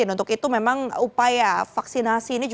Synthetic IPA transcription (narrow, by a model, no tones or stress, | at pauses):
ɪnunt̪ʊkit̪umemaŋupajafaksinasiːnid͡ʒ